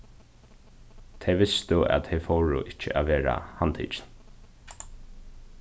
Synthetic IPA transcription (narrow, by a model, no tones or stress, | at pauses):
t̪ʰɛʋɪst̪ʊæ̰t̪ʰɛfowɻʊ̰ʔɪt͡ʃːəʔæʋeːɾa̰hant̪ʰḭːt͡ʃn